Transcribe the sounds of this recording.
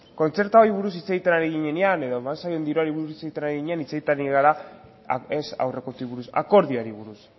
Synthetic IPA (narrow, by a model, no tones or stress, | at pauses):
ko̞nt͡se̞ɾt̪aoɾiβuɾus̬it͡se̞ɣit̪enaɾiɣiɲe̞neane̞ðo̞emansajo̞nd̪iɾoaɾiβuɾusit͡seɣit̪enaɾeiɣiɲeanit͡se̞ɣit̪aniɣaɾa | esa̰wre̞kot̪uiβuɾusa̰ko̞ɾðiaɾiβuɾus